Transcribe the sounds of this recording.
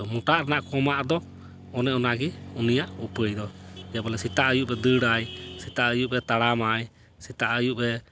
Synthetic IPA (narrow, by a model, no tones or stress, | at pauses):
muʈaʔɾɛnaʔkɔmaʔd̪ɔ | ɔnɛʔɔnaɡiunijaʔupəjd̪ɔd͡ʒabɔlɛsit̪aʔəjuʔbɛd̪əɽajsit̪aʔəjuʔbɛt̪aɽamaj | sit̪aʔəjuʔbɛ